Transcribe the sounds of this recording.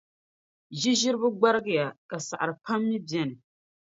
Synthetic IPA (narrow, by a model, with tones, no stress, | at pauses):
ʒi˦ʒɪ˦ɾɨ˦bʊ˦ɡ͡ba˦ɾɨ˦ɡɨ˦ja˨ka˨sa̰˨ʔa˨ɾɨ˨pʰa˦mːi˦bjɛ˦nɨ˨